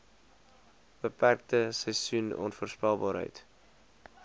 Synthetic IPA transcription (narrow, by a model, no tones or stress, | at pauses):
b̥əpærk̚təsɛjsunɔ̰nfuəːrspælˠbɑːɾɦə̰jt